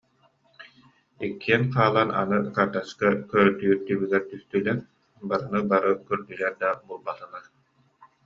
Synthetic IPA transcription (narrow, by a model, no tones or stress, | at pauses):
ikːiɛnqaːlˠana̰nɯkaɾd̪askakœɾɾt̪yːɾt̪ybyɡɛɾt̪yst̪ylɛɾ | baɾɯnɯbaɾɯkyɾd̪ylɛɾd̪abulˠbat̪ɯnaɾ